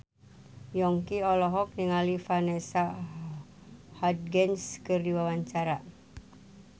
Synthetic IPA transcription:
jɔŋkiɔlɔɦɔk̚niŋalifanɛsa | hɔd̚ɡɛnskɨrdiwawaɲt͡ʃaɾa

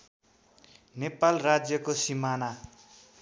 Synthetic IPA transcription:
nepalrad͡zjʌkosimana

